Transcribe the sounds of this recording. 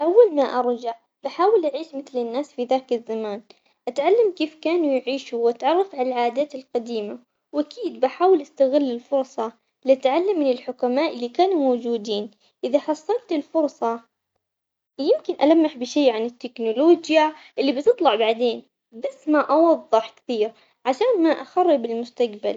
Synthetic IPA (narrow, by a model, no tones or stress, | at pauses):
ʔawːalmaʔɑɾˤd͡ʒaʕ | baħaːwɪlʔaʕiːʃmɪθlɪnːaːsfiðaːkɪzːamaːn | ʔat̪ʕalːamkeːfkaːnujʕiːʃuwʔat̪ʕɑrˤːɑfʕalalʕaːd̪aːt̪ɪlqɑd̪iːma | wʔakiːd̪baħaːwɪlʔast̪aɣɪlːɪlfʊɾˤsˤɑ | lɪʔat̪ʕalːamːɪnɪlħʊkamaːʔɪlːikaːnumowd͡ʒuːd̪iːn | ʔɪðaħɑsˤːɑlt̪ɪlfʊɾˤsˤɑ | jɪmkɪnʔalamːaħbɪʃeːʕanɪt̪ːɪknʊloːd͡ʒjaʔɪlːibt̪ɨt̪ˤlɑʕbaʕd̪eːn | basːmaʔɑwɑðˤːɨħkɪ̥θiːɾ | ʕaʃaːnmaʔaxɑrˤːɪbɪlmʊst̪aɡba̰l